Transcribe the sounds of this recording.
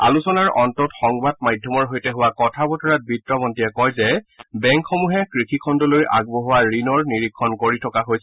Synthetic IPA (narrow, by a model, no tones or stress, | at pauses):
a̰lusɔnaɹɔntɔtxɔŋbadmajdʱjɔmɔɹɦojtɛɦʊwakɔtʰabɔtʰɔɹat̚bitɹɔbɔntiɛkɔjzɛbɛŋkxɔmuɦɛkɹikʰikʰɔndɔloja̰ɡ̚bɔɦʊwaɹinɔɹniɹikʰːɔnkoɹitʰɔkaɦojsɛ